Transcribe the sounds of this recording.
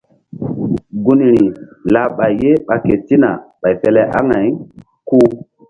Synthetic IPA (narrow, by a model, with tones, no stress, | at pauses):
ɡu˦ni˨ɾi˨la˨ɓa˨jːe˦ɓa˨ke˨ti˦na˨ɓa˨jfe˦lɛ˦ʔa˦ŋa˨j | ku˦